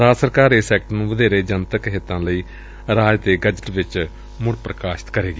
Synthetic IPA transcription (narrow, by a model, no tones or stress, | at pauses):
ɾaːsəɾkaːɾesɛːk̚ʈnũːʋəd̪eːɾeːd͡ʒənt̪əkɦɪt̪ːãːləiː | ɾaːd͡ʒt̪eːɡəd͡ʒəʈʋɪt͡ʃ | mʊɽpɾəkaːʃɪ̥t̪kəɾeːɡiː